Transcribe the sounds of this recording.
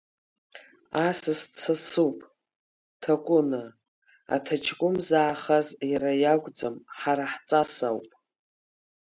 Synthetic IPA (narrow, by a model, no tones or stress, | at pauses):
asɨst͡sʰasupʼ | tʰakʷʼʊna | a̰tʰat͡ʃʰkʷʼʊmzaːχazjaɾajakʷʼd͡zamħaɾaħt͡sʼasawpʼ